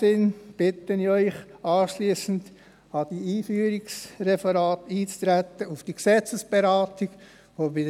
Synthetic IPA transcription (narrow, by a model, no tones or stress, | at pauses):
ɪnb̥ɪtəniœʏχɑːʃliːsən̩d | ɑd̥iiːfyːɾɪksɾɛfəɾɑːt̪iːt͡st̪ɾæt̪əufd̥iksɛt͡səsb̥eɾɑːtɪɡ̥ | ʋoːbɪd